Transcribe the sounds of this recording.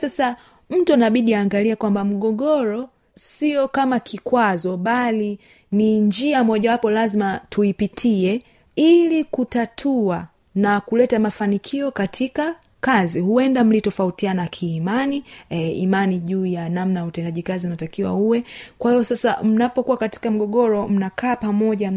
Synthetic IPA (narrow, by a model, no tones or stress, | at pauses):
sasa | m̩tuanaɓiɗiaːŋɡaliakwambam̩ɠɔɠɔɾɔ | siɔkamakʰikwazɔɓali | niɲd͡ʒiamɔʄawapɔlazimatuipitʰiɛ | ilikutatʰua | nakulɛtamafanikʰiɔkatʰika | kazihuɛndam̩litɔfautianakʰiːmaniimaniʄuːjanamnajautɛndaʄikaziunatakiwa̰uwɛkwahijɔsasa̰m̩napɔkuwakati̥kam̩ɠɔɠɔɾɔm̩nakʰaːpamɔʄa